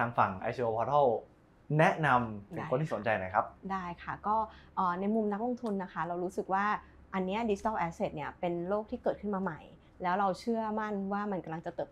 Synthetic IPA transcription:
t̪ʰaː˧ŋfa˨˩ŋʔa̰˧jt͡ɕʰi˧ʔo˧pʰɔː˧t̪ʰɔ˥˩w | nɛ˦˥ʔna˧mt̪ʰɯ˩˦˥o˧nt̪ʰi˥˩so˩˦nt͡ɕa˧jna˨˦kʰa˦˥p̚daː˥˩jkʰa˥˩kɔː˥˩ʔɤː˨˩na˧jmu˧mna˦˥k̚lo˧ŋt̪ʰu˧nːa˦˥kʰa˦˥ɾa˧wɾuː˦˥sɯ˨˩k̚waː˥˩ | ʔa˧nːi˦˥ɐdi˨˦t͡ɕʰi˦t̪aː˥˩ʔɛ˦˥seː˨˩t̪̚ni˦˥˩ɐpe˧nɾoː˥˩k̚t̪ʰiː˥˩kɤː˨˩t̪̚kʰɯ˥˩maː˧ma˨˩j | lɛː˦˥wɾa˧wt͡ɕʰɯ˥˩ɐma˥˩nwaː˥˩ma˧nka˧mla˧ŋt͡ɕa˨˩t̪ɤː˨˩p

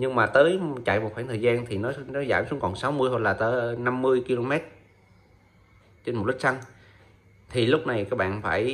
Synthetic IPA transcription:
ɲɨ˧ŋmaː˨˩t̪əː˨˦jt͡ɕa̰˧˨jmo˨˩xaː˧˩nt̪ʰəː˨˩jzaː˧nt̪ʰi˨˩nɔ˨˦nɔ˨˦zaː˧˩msu˨˦əŋkɔ˨˩nsa˨˦wmɨ˧əjho˧nlaː˨˩t̪əː˨˦na˧mːɨ˧əjki˧lo˧mɛ˦˥t̚ | t͡ɕe˧nm˨˩t̚li˦˥k̚sa˧ŋ | t̪ʰi˨˩lʊ˦˥k͡p̚na˨˩jkaː˦˥k̚ɓa̰ː˧˨nfaː˧˩j

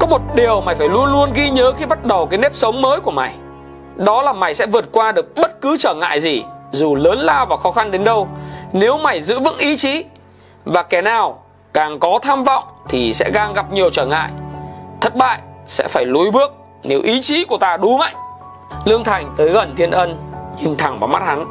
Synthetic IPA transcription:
kɔ˨˦mo˨˩t̚ɗi˨˩əwma˨˩jfaː˧˩jlu˧ənlu˧ənɣi˧ɲəː˨˦xi˧ɓa˦˥t̚ɗə˨˩wkaː˨˦jne˦˥p̚sə˨˦wŋ͡mməː˨˦jku˧˩əma˨˩j | ɗɔ˨˦laː˨˩ma˨˩jsɛ̰˧˥vɨ˨˩ət̚kwaː˧ɗɨ˨˩ək̚ɓə˦˥t̚kɨ˨˦t͡ɕəː˧˩ŋa̰ː˧˨jzi˨˩zu˨˩ləː˨˦nlaː˧wvaː˨˩xɔ˨˦xa˧nɗe˨˦nɗə˧wne˨˦wma˨˩jzɨ̰˧˥vɨ̰˧˥ŋʔi˨˦t͡ɕi˨˦ | vaː˨˩kɛ˧˩naː˨˩w | kaː˨˩ŋkɔ˨˦t̪ʰaː˧mvɔ̰˧˨wŋ͡mt̪ʰi˨˩sɛ̰˧˥ɣaː˧˩ŋɣa˨˩p̚ɲi˨˩əwt͡ɕəː˧˩ŋa̰ː˧˨jt̪ʰə˨˩t̚ɓa̰ː˧˨jsɛ̰˧˥faː˧˩jlu˨˧˦jɓɨ˦˥ək̚ | ne˨˦wʔi˨˦t͡ɕi˨˦ku˧˩ət̪aː˧ɗu˨˦ŋa̰˧˨jŋ | lɨ˧əŋt̪ʰa˨˩jŋ̟t̪əː˨˦jɣə˨˩nt̪ʰi˧ənʔə˧nɲi˨˩nt̪ʰa˧˩ŋvaː˨˩wma˦˥t̚ha˨˦n

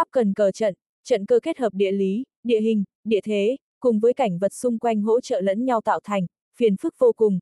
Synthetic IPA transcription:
ʔa˦˥p̚kə˨˩nkəː˨˩t͡ɕə̰˧˨n | t͡ɕə̰˧˨nkəː˧ke˦˥t̚həː˨˩p̚ɗḭ˧˨əli˨˦ | ɗḭ˧˨əɦï˨˩ŋ̟ | ɗḭ˧˨ət̪ʰe˨˦ | kʊ˨˩ŋ͡mvəː˨˦jka˧˩jŋ̟və˨˩t̚sʊ˧ŋ͡mkwa˧jŋ̟ɦo̰˧˥t͡ɕə̰ː˧˨lə̰˧˥nɲa˧wt̪a̰ː˧˨wt̪ʰa˨˩jŋ̟ | fi˨˩ənfɨ˦˥k̚vo˧kʊ˨˩ŋ͡m

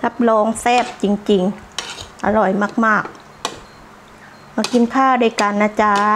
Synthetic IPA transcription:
kʰa˦˥p̚lɔː˧˥ŋsɛː˥˩p̚t͡ɕi˨˩ŋt͡ɕi˨˩ŋ | ʔa̰˧ɾɔ˨˩jmaː˥˩k̚maː˥˩k̚ | maː˧˩ki˧˦nkʰaː˥˩daː˧˩˨kaː˨˩nːaː˧˥t͡ɕaː˧

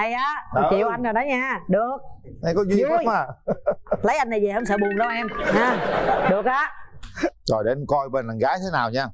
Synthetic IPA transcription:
a˧˩jʔaː˨˦˨t͡ɕi˨əwʔa˧jŋa˨˩ɗɔ˨˦ɲaː˧ɗɨ˨˩ək̚ | ʔa˧mkɔ˨˦zi˧˨˦maː˨˧˩ | lə˨˦jʔa˧jn˨˩jzi˨˩hə˧wŋ͡ms̬ə̰ː˧˨˩ɓu˨˩nlə˧wʔɛ˧mhaː˨˧˥ɗɨ˨˩ək̚ʔaː˨˦ | zɔ˨˩ɗe˨˧˩mkɔ˧jɓe˧nla˨˩nɣaː˨˦jt̪ʰe˨˦naː˨˩wɲaː˧

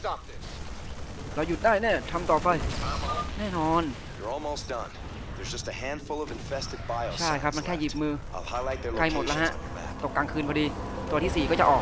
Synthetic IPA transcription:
stɑp̚ðɪ | ɾaː˧wju˨˩t̪̚daː˥˩jniː˥˩ɐt̪ʰa˧mt̪ɔː˨˩pa˧j | nɛː˥˩nɔː˧n | jə˞ɔlˠmoʊsd̥ʌ̰̃n | ðə˞zd͡ʒʌstɨhæ̃nd̥fʊlˠʌvɨ̃ɱfɛstɨd̚baɪl̩t͡ɕʰa˥˩jkʰɾa˦˥p̚ma˧nkʰɛː˥˩jiː˨˩p̚mɯː˧aɪlˠhaɪlaɪt̪̚ðəɾa˧jmo˨t̪̚la˦˥ɦa˦˥ʔ | t̪o˨˩kːa˧ŋkʰɯː˧npʰɔː˧diː˧t̪u˧ət̪ʰiː˥˩siː˨˩kɔː˥˩t͡ɕa˨˩ʔɔː˨˩k

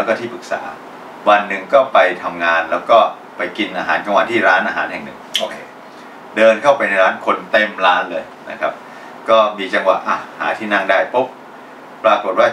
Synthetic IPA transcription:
lɛ˦˥kɔː˥˩t̪ʰiː˥˩pɯ˨˩k̚sa̰ː˩˦ | wa˧nːɯ˨˩ŋkɔː˥˩pa˧jt̪ʰa˧mŋaː˧nlɛː˦˥wkɔː˥˩ | pa˧jki˧nʔaː˧ɦaː˩˦nka˧ŋwa˧˥t̪ʰiː˥˩ɾaː˦˥nʔaː˧ɦa̰ː˩˦nhɦɛ˨˩ŋnɯ˨˩ŋo˧kʰː | dɤː˧nkʰa˥˩wpa˧jna˧jɾaː˦˥nkʰo˧nt̪e˥˩mɾaː˦˥nlɤː˧jna̰˦˥kʰa˦˥p̚ | kɔː˥˩miː˧t͡ɕa˧ŋwa̰˨˩ʔʔa˧˩ha̰ː˩˦t̪ʰiː˥˩na˥˩ŋdaː˥˩jpo˦˥p̚ | pɾaː˧ko˨˩t̪̚waː˥˩

